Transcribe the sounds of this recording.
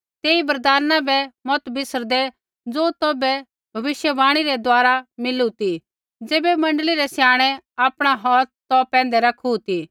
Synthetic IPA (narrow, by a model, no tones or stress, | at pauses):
t̪eːibɐɾd̪aːnãbɛmɔt̪bɪsəɾd̪ɛ | d͡zoːt̪ɔːbɛ | bʱɐʋɪʃjəbaːɽ̃iɾɛd̪aːɾamɪlut̪i | d͡zeːbɛmɐ̃ɳɖəliɾɛsjaːɽ̃ɛaːpɽ̃aɦɔːt̪ɔpɛ̃ːn̆d̪ɛɾɐkʰut̪i